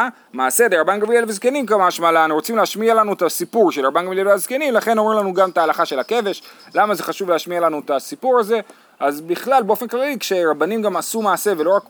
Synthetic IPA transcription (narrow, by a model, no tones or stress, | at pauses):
maːse̞deʁabanɡamilelvezke̞nimkamaʃmalaʁo̞t͡simleaʃmialanuetasipuʁʃelʁabanɡamileveaz̥ke̞nimlaχe̞nomʁimlanuɡamtaːlaχaʃe̞lake̞ve̞ʃ | lamaze̞χaʃuvleaʃmialanuetasipuʁaze̞ | azbiχlalbeo̞fe̞nklalikʃe̞ʁabanimɡamasumaːse̞ve̞lo̞ʁak